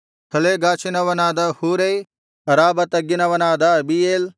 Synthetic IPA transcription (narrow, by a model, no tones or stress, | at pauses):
t̪ʰɐleːɡaːt͡ʃʰinɐʋɐnaːd̪ɐhuːɾej | ɐɾaːbɐt̪ɐɡinɐʋɐnaːd̪aɐbijeːl